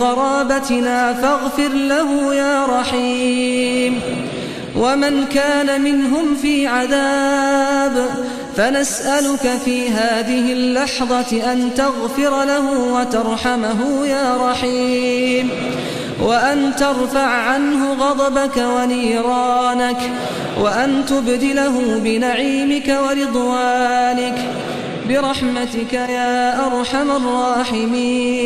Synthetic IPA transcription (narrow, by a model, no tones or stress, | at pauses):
ɑɾˤɑːbat̪ɪnaːfaɣfɪɾlaɦʊjaːɾˤɑħi | m | wʔamankaːnamɪnɦʊmfiːʕaðaː | b | fanasʔalʊkafiːɦaːðɪɦɪlːɑħðˤɑʔant̪ɑɣfɪɾlaɦʊːwat̪ɑɾˤħamaɦʊːjaːɾˤɑħiːm | waʔant̪ɑɾˤfaʕʕanɦʊɣɑd̪ˤɑbakawaniːɾɑːnak | waʔant̪ʊbd̪ɪlaɦʊbɪnaʕiːmɪkawaɾɪd̪ˤwaːnɪk | bɪɾˤɑħmat̪ɪkajaːʔɑɾˤħamarˤːɑːħɪmiː